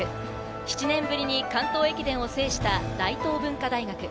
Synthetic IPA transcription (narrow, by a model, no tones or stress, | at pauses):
ɯ | çi̥t͡ɕinẽ̞mbɯ̟ɾʲiɲ̟ikãnt̪o̞ːe̞kʲid̪ẽ̞ɰ̃o̞se̞ːɕi̥t̪ad̪̥ait̪o̞ːbɯ̟̃ŋkad̪aiɡakɯ̟